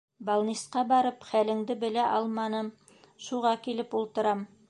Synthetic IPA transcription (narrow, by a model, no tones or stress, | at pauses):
balˠnʲisqɑbɑɾɤpχælɘ̆ŋd̪ɘbɘ̆læʔɑlˠmɑnɤm | ʃuʁɑkilɘpulˠt̪ɤ̆ɾɑm